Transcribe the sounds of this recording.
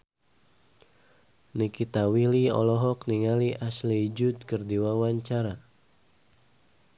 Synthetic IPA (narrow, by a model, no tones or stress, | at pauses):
nikit̪awiliɔ̰lɔɦɔkniŋaliʔaslid͡ʒut̪̚kərdiwawaɲt͡ʃaɾa